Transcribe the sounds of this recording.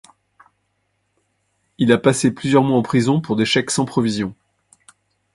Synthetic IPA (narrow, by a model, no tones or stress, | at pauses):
ilapaseplyzjœʁmwaɑ̃pχizɔ̃puʁd̪eʃɛksɑ̃pχɔvizjɔ̃